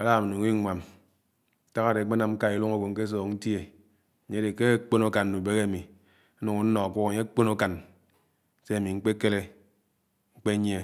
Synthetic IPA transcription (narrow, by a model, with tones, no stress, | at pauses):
a˨˦la˦˨ma˨nu˨ŋi˦ŋʷa˨m˦ | ta˦ɣa˦de˨˦k͡pe˦na˨m̩˦ka˦i˨lu˦ŋo˦ɡo˨ŋ̩˦ke˦s̬ɔː˨kn̩˦ti˦e˨ | ɲe˦e˨ke˦k͡po˦no˦ka˨n˨nu˨be˦ɣe˦a˨mi˨˦ | nu˨ŋo˨˦n̩˦nɔ˨k͡pʷɔ˦˨ɲe˦k͡po˦no˦ka˨n | se˦a˨mi˨ŋ͡m̩˦k͡pe˦ke˦le˦ | ŋ͡m̩˦k͡pe˦ɲ˦e˦˨